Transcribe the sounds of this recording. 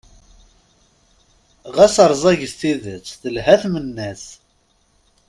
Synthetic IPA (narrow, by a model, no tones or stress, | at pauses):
ʁæsəɾˤzˤɑʝəst̪iðət͡sːθəlhæθmənːæs